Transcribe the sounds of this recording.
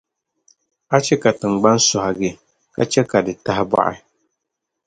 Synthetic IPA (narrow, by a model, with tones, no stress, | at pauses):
a˦t͡ʃɛ˦ka˨tɨ˨ŋɡ͡ba˦n˦sɔ˨ha˨ɡɛ˨ | ka̰˦t͡ʃɛ˦ka˨dɨ˨ta˦ɦɪ˦ba̰˨ʔɪ̰˦